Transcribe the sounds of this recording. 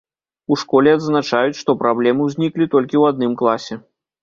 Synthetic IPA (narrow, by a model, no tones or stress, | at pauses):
uʂkɔlʲɛad̪znat͡ʂajut͡sʲʂt̪ɔpɾablʲɛmɨwzʲnʲiklʲit̪ɔlʲkʲiwad̪̚nɨmklˠasʲɛ